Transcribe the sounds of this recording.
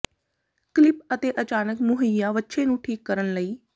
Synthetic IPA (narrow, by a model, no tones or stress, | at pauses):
klɪpət̪eːʔət͡ʃaːnəkmʊɦəjaːʋətːʃʰeːnũːʈʰiːkːəɾənləiː